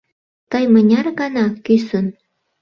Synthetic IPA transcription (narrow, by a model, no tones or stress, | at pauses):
t̪əjmənʲɑrɣɑnɑkysən